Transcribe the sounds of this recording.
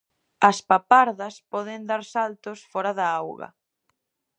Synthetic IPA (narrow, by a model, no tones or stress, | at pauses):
ɐspapaɾðɐspɔðɪnd̪aɾsalt̪ʊsfɔɾɐðɐawɣɐ̰